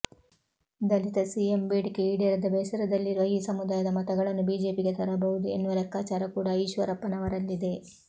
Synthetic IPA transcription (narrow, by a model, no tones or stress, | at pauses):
d̪ɐlit̪ɐsiembeːʈikeiːɽiɾɐd̪ɐbɛːsɐɾɐd̪ɐlːiɾuʋɐiːsɐmud̪aːjɐd̪ɐmɐt̪ɐɡɐɭɐnːubiːd͡ʒe̞ːpiɡet̪ɐɾɐbɐʋud̪uenːʋɐlɐkːaːt͡ʃaːɾɐkuːɽɐiːʃʋɐɾɐpːɐnɐʋɐɾɐlːid̪e̞